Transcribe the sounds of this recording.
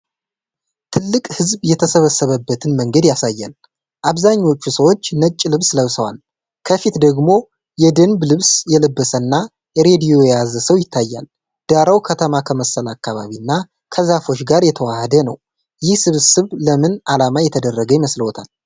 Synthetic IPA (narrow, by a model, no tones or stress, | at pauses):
t̪ʰɨlːɨkʼhɨzβjɛt̪ʰəsəβəsːəβəbːət̪ʰɨnməŋɡəd̪jasajːa̰l | ʔaβzaɲːo̞t͡ʃːusəwot͡ʃːnət͡ʃʼːlɨβsləβsəwa̰l | kʰəfit̪d̪əɡmo̞ | jɛd̪ənblɨβsjɛləbːəsənːa | jɛɾe̞d̪ijojɛjazəsəwjɪt̪ʰːajːa̰l | d̪̥aɾawkʰət̪ʰəmakʰəməsːəlakːaβaβinːa | kʰəzafo̞t͡ʃːɡaɾjɛt̪ʰəwahəd̪ənəw | jɪhsɨβsɨβləmɨnalamajɛt̪ʰəd̪ərːəɡəjɪməsləwt̪ʰal